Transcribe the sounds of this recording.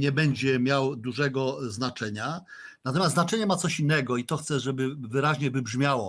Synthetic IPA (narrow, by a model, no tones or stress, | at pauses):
ɲɛbɛɲd͡ʑɛmʲjawd̪uʐɛɡɔznat͡ʂɛɲa | nat̪ɔmʲasnat͡ʂɛɲɛmat̪sɔɕinːɛɡɔit̪ɔxt̪sɛʐɛbɘvɘɾaʑɲɛvɘbʐmʲjawɔ